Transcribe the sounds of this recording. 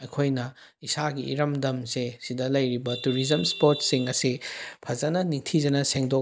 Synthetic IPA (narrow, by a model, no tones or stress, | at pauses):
ɐjkʰojnɐ | isaɡiḭɾɐmdɐmsesidɐlɐjɾibɐtuɾizɐmspoɾtsiŋɐsipʰɐzɐnɐniŋtʰizɐnɐseŋdo